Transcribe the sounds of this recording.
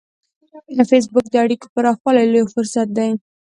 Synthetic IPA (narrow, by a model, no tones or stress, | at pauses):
d̪əfes̬bʊk̚d̪əaɽiko̥pəɾɑxwɑlajlojofʊɾsat̪̚d̪aj